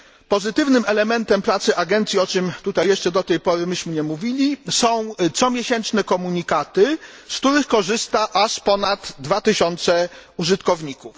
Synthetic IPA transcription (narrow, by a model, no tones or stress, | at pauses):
pɔzɘt̪ɘvnɘmɛlɛmɛnt̪ɛmpɾat̪sɘʔaɡɛnt̪sʲiɔt͡ʂɘmt̪ut̪ajːɛʂt͡ʂɛd̪ɔt̪ɛjpɔɾɘmɘɕmɘɲɛmuvʲilʲisɔ̃w̃t̪sɔmʲjeɕɛnt͡ʂnɛkɔmuɲikat̪ɘ | skt̪uɾɘxkɔʐɘst̪aʔaspɔnad̪ːvat̪ɘɕɔnt̪sɛuʐɘt̪kɔvɲikuf